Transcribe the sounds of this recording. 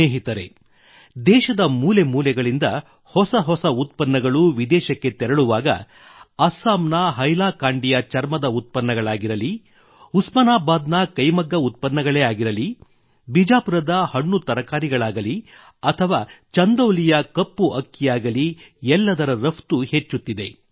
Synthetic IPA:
eːɦit̪ɐɾḛ | d̪ɛːʃɐd̪ɐmuːle̞muːlɛɡɐɭind̪ɐ | hɔsɐɦɔsɐut̪̚pɐnːɐɡɐɭuʋid̪ɛːʃɐkːe̞t̪ɛɾɐɭuʋaːɡɐ̰ | ɐsaːmnɐɦɐjlaːkaːɳɖijɐt͡ʃɐɾmɐd̪ɐut̪̚pɐnːɐɡɐɭaːɡiɾɐli | usmɐnaːbaːd̪nɐkɐjmɐɡːɐut̪̚pɐnːɐɡɐɭɛjaːɡiɾɐli | bid͡ʒaːpuɾɐd̪ɐhɐɳːut̪ɐɾɐkaːɾiɡɐɭaːɡɐli | ɐt̪ʰɐʋaːt͡ʃɐnd̪ɐwlijɐkɐpːuʔɐkːijaːɡɐliɛlːɐd̪ɐɾɐɾɐft̪uhe̞t͡ʃːut̪ːid̪e̞

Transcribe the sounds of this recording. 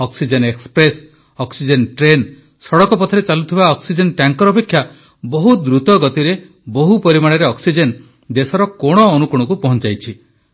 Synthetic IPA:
ɔksid͡ʒenekspɾes | ɔksid͡ʒenʈɾen | sɔɽɔkɔpɔt̪ʰɔɾet͡ʃalut̪ʰibaɔksid͡ʒenʈaŋkɔɾɔpekʰja | bɔɦud̪ɾut̪ɔɡɔt̪iɾe | boɦupɔɾimaɽ̃eɾeɔksid͡ʒen | d̪esɔɾɔkoɽ̃ɔːnukuɽ̃ɔkupɔɦɔnt͡ʃajt͡ʃʰi

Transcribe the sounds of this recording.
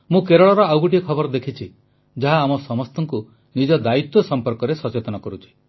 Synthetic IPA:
mũkeɾɔɭɔɾɔawɡuʈiɔkʰɔbɔɾɔd̪ekʰit͡ʃʰi | d͡ʒaɦaːmɔsɔmɔst̪ɔŋku | nid͡ʒɔd̪ait̪wɔsɔmpɔɾkɔɾesɔt͡ʃet̪ɔnɔkɔɾut͡ʃʰi̥

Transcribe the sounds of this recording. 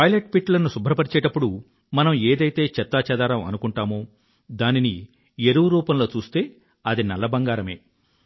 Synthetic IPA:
pɐjleʈ̚piʈlɐnusubʱɾɐpɐɾit͡ʃɛːʈɐpːuɽu | mɐnɐmeːd̪ɐjt̪e̞ːt͡ʃɛt̪ːaːt͡ʃɛd̪aːɾɐmɐ̰nukuɳʈaːmoː | d̪aːnini | eɾuʋuɾuːpɐmlo̞ːt͡ʃuːst̪e̞ː | ɐd̪inɐlːɐbɐŋɡaːɾɐme̞̰ː

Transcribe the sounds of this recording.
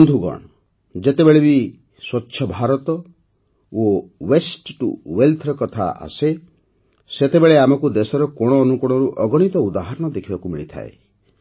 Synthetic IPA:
nd̪ʱuɡɔ̰ɽ̃ɔ | d͡ʒet̪ebeɭebi | swɔtːʃʰjɔbʱaɾɔt̪ɔ | owesʈʈṵwelt̪ʰɾɔkɔt̪ʰa̰a̰se | set̪ebeɭeamɔkud̪esɔɾɔkɔɽ̃ɔːnukɔɽ̃ɔɾuʔɔɡɔɽ̃it̪ɔud̪aɦaɾɔɽ̃ɔd̪ekʰibakumiɭit̪ʰa̰ḛ

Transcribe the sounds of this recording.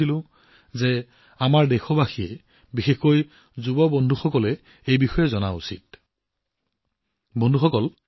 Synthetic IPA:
ilʊ̃ | zɛ | amaɹdɛxɔbaxijɛ | bixexkoj | zubɔbɔndʱuxɔkɔlɛ | ejbixɔjɛzɔna̰ṵsḭt̚ | bɔndʱuxɔkɔl

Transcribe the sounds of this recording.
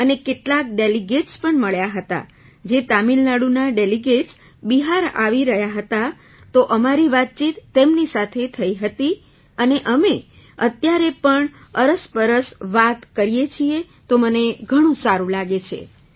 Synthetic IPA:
ənekeʈlak̚ɖeliɡeʈspəɳməɭjaɦət̪a̰ | d͡ʒet̪amilnaɽunaɖeliɡeʈs | biɦaɾa̰ʋiɾəɦjaɦət̪a | t̪oʔəmaɾiʋat̪̚t͡ʃit̪ːemnisat̪ʰet̪ʰəiɦət̪i | əneʔəme | ət̪jaɾepəɳəɾəspəɾəsʋat̪kəɾijet͡ʃʰie | t̪oməneɡʱəɽ̃ũsaɾũlaɡet͡ʃʰḛ

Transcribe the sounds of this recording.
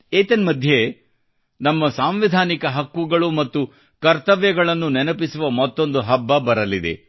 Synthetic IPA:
eːt̪enmɐd̪ʱje | nɐmːɐsaːmʋid̪ʱaːnikɐɦɐkːuɡɐɭumɐt̪ːu | kɐɾt̪ɐʋjɐɡɐɭɐnːunɛnɐpisuʋɐmɐt̪ːo̞nd̪uɦɐbːɐbɐɾɐlid̪ḛ

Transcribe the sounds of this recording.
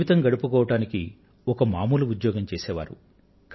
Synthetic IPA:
it̪ɐŋɡɐɽupukɔːʋɐʈaːniki | ɔkɐmaːmuːluud̪jɔːɡɐmt͡ʃɛːsɛːʋa̰ːɾṵ | k

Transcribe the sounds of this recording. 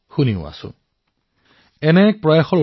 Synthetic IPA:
xuniʊ̰a̰sʊ̰̃ | ɛnɛk̚pɹɔjaxɔɹo

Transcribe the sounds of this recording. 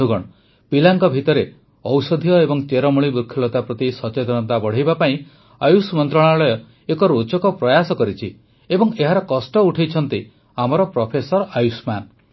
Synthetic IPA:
uɡɔɽ | pilaŋkɔbʱit̪ɔɾe | ɔwsɔd̪ʱijɔebɔŋt͡ʃeɾɔmuɭ̃ibukʰjɔlɔt̪apɾɔt̪isɔt͡ʃet̪ɔnɔt̪abɔɽ̤ejbapaĩ | ajusmɔnt̪ɾɔɽ̃alɔjɔ | ekɔɾot͡ʃɔkɔpɾɔjasɔkɔɾit͡ʃʰi | ebɔŋeɦaɾɔkɔsʈɔuʈʰejt͡ʃʰɔnt̪i | amɔɾɔpɾɔpʰesɔɾajusman

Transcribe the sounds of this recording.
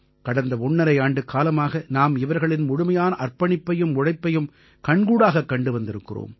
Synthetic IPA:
kɐɽɐnd̪ɐɔɳːɐɾɐɪaːɳɖɯkːaːlɐmaːɣɐnaːmɪʋɐɾɣɐɭɪnmʊɽʊmɐjaːnɐʔɐrpɐɳɪpːɐjɯmʊɻɐɪpːɐjɯm | kɐɳɡuːɽaːɣɐkːɐɳɖɯʋɐnd̪ɪɾɯkːɪro̰ːm

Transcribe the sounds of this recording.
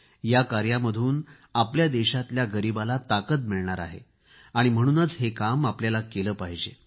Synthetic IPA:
jakaɾjaməd̪ʱuːn | apljad̪eɕat̪ljaɡəɾibalat̪akət̪miɭɳaɾa̰ɦḛ | aɽ̃im̤əɽ̃uːnəːt͡sɦekamapljalakeləːpaɦid͡ʑḛ

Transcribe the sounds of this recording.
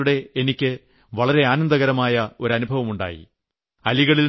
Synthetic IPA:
uɽe̞enikʲːɨ | ʋɐɭɐɾe̞aːnɐnd̪ɐɣɐɾɐmaːjɐo̞ɾɐnubʱɐʋɐmuɳɖa̰ːjḭ | ɐliɣɐɭil

